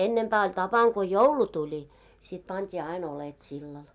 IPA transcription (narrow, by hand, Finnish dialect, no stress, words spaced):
enːempæː olʲ tɑpɑŋ ko joulu tulʲi sit pɑntʲiː ɑin olet silːɑl